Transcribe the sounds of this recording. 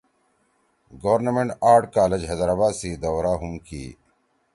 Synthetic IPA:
ɡoʋɾnəmeɳʈaːɾʈkaːled͡ʑɦeːd̪əɾabaːd̪siːd̪ɐwɾaːɦumkḭː

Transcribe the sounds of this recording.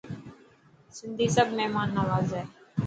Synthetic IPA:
sɪnd̪ʱiːsəbʱmɛɦmaːnːaʋaːzɦɛː

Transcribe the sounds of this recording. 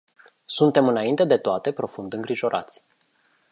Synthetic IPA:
sunt̪e̞mɨnaint̪e̞d̪e̞t̪oat̪e̞pɾo̞fund̪ɨŋɡɾiʒo̞ɾʔa̰t̪sʲ

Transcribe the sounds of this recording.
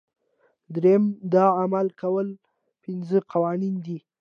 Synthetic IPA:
d̪ɾeamd̪ɑamalkawəl | pɪnzəqawɑnind̪i

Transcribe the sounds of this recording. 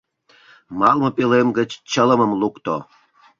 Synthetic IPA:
mɑlmŏpelemɡə̆t͡ɕt͡ɕələ̆məmlukt̪o̰

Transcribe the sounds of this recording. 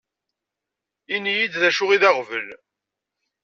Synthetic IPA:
inijid̪ðæʃʊʁiðɑʁvəl

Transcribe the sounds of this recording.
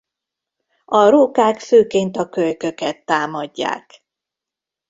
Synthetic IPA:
ɒɾoːkaːkføːkeːnt̪ɒkøjkøkɛt̪ːaːmɒɟːa̰ːk

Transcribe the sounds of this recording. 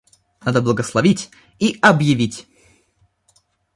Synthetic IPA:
nad̪əblˠəɡəslˠɐvʲitʲ | iɐbjɪvʲitʲ

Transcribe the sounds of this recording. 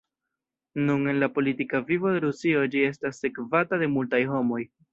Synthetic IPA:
nune̞nlapo̞litikavivo̞de̞ɾusio̞d͡ʒie̞stasːe̞kvatade̞multajɦo̞mo̞j

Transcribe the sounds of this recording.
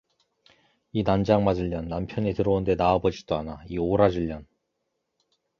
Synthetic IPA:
inand͡ʑaŋmad͡ʑɯʎːʌnːampʰjʌnitɯɾʌunde̞naːbʌd͡ʑid̥͈oanaioɾad͡ʑɯʎːʌn

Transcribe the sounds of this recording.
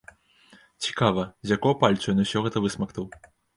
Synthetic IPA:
t͡sʲi̥kavɐzʲjakɔwpalʲt̪sujnɐwsʲɔɣɛt̪ɐvɨsmɐknɐw

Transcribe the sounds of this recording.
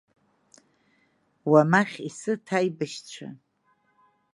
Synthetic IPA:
wamaχʲisɨtʰajbaʃt͡ɕʷʰa̰

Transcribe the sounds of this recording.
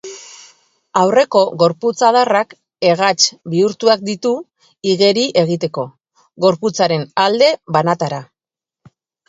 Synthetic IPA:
awre̞ko̞ɣo̞ɾput͡sað̞arak | e̞ɣ̞at͡ʃbiuɾt̪uak̚d̪it̪u | iɣe̞ɾiʔe̞ɣ̞it̪e̞ko̞ | ɣo̞ɾput͡saɾe̞nald̪e̞βanat̪aɾa

